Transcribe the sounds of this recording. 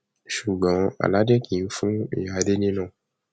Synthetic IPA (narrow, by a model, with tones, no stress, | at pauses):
ʃu˨ɡ͡bɔ̃˨˦a̰˨la˨˦de˦kʰĩ˨˦fũ˦ḭ˨ja˨˧˦de˦nĩ˦nã˦˨